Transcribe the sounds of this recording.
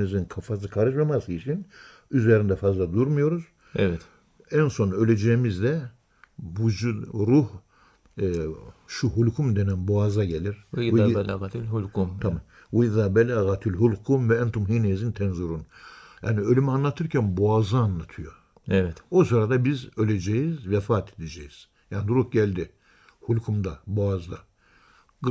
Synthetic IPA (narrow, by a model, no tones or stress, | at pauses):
izinkʰafasɯkʰaɾɯʃ̬mamasɯit͡ʃʰin | yzeɾind̪ɛfazlˠad̪uɾmujo̞ɾuz | ɛvɛt̪ | ænso̞nølʲed͡ʒɛjimizd̪ɛ | bud͡ʒuɾuh | ʃuhulʲkʰumd̪enænboazaɟelʲiɾ | t̪hulmt̪ʰamam | waiðaːbɛlæːɣat̪ʰilɦulʲkʰumvɛɛnt̪ʰumɦiːnɛzint̪ʰɛnzuɾunja̰ːniø̞lʲymianlːˠat̪ʰɯɾcʰænboazaːnːˠat̪ʰɯjo | ɛɛosɯɾad̪abizølʲed͡ʒɛjizvɛfaːt̪ʰed̪ed͡ʒɛjiz̥ | jaːnd̪ɾuhɟælʲd̪i | hulʲkʰumd̪aboazd̪a